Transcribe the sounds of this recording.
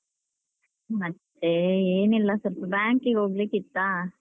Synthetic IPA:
mɐt̪ːeeːnilːɐsɐɾpbaːŋkiɡoːɡlikːit̪ːaː

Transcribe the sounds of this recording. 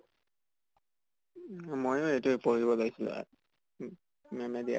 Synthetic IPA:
mojʊejtʊpoɹibɔlaɡisilʊ̰̃ | mɛmɛdia̰

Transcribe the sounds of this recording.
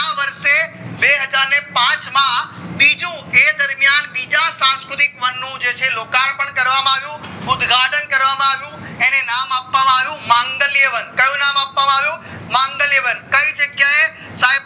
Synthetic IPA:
aʋəɾʃebeɦəd͡ʒaɾnepãt͡ʃmãbid͡ʒũed̪əɾmjanbid͡ʒasãnskɾʊt̪ikʋənːũd͡ʒet͡ʃʰelokaɳpəɳkəɾʋamãaʋjũʊd̪ɡʱaʈənkəɾʋamãaʋjũenenamapʋamãaʋjũmãŋɡəleʋənkəjũnamapːʋamãaʋjũmãŋɡəleʋənkəid͡ʒəɡjae | sai

